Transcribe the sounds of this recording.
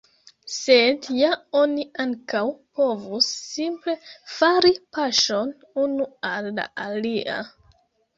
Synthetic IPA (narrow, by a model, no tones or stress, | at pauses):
sedjao̞niaŋkawpo̞vusːimple̞faɾipaʃo̞n | unualːa̰ʔaliʔa̰